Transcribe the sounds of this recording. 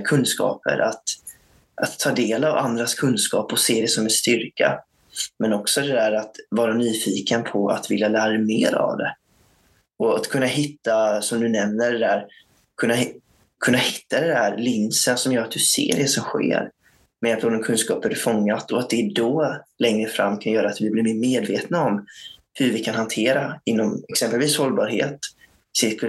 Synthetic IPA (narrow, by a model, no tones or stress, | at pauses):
kʰɵnd̪skɑ̰ːpə̰ɾʔat̪ | ʔat̪ʰːɑːd̪eːlava̰nd̪ɾaskʰɵnskɑ̰ːpɔseːd̪ɛsɔmɛnst̪ʏɾka̰ | mɛnɔksɔd̪ɛd̪æːɾat̪vɑːɾanyːfiːkənpʰɔa̰t̪vɪljalæːɾadɛmeːɾa̰vd̪ɛ̰ | ɔat̪kʰɵnːaɦɪt̪ːasɔmd̪ɵnɛmnəɖɛd̪æːɾ | kʰɵnːa | kʰɵnːahɪ̥t̪ːad̪ɛnd̪æːɾlɪnsənsɔmjœːɾat̪̚d̪ɵsḛːɖɛsɔmɧḛːɾ | mɛapʰɔd̪ɔmkʰɵnskɑːphæɖɵfɔŋːat̪ɔat̪̚d̪ɛd̪ɔlɛŋɾəfɾa̰mːkʰanjœːɾat̪vɪblɪɾmeːɾmeːd̪veːt̪naɔm | hɵɾvɪkʰanhant̪ʰeːɾaɪnːɔmɛksɛmpəlviːshɔlːbɑːɾhḛːt̪ | sɛk